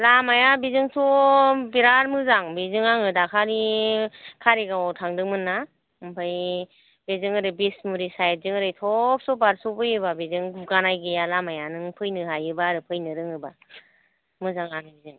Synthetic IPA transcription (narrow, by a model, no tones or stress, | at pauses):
lamajabizɯŋsʰɔbiɾaɾmɯzaŋbizɯŋaŋɯdakʰani | kʰaɾeɡawɔtʰaŋdɯŋmɯnːa | mpʰaj | bezɯŋɯɾɯbesmuɾisajt̚zɯŋɯɾɯjtʰɔp̚sɔbaɾsɔbɯjɯbabezɯŋbuɡanajɡɯjalamajanɯŋpʰɯjnɯɦajɯbaɾɯpʰɯjnɯɾɯŋɯba | mɯzaŋaŋɯbizɯŋ